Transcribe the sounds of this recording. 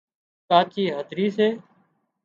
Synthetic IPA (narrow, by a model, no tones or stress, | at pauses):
kaːt͡ʃiːɦəd̪ʱɾiːseː